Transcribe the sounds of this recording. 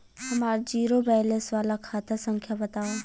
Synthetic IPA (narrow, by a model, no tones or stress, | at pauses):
ɦɐmaːɾd͡ʒiːɾobɛːlesʋaːlakʰaːt̪asə̃ŋkʰjabɐt̪aːo